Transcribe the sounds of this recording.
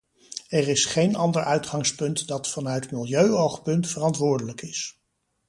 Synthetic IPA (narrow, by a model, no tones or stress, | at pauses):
ɛrɪsχejnɑndəɹʔœɥtχɑŋspɵntdɑtfɑnœɥtmɪlˠjøɥowχpɵntfərɑntʋʊːɹdələkɪs